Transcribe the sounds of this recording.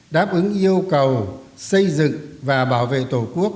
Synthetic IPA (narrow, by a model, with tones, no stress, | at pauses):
ɗaː˦˥p̚ʔɨ˨˦ŋʔi˧əwkə˨˩wsə˧jzɨ̰˧˨ŋvaː˨˩ɓaː˧˩wvḛ˧˨t̪o˧˩ku˦˥ək̚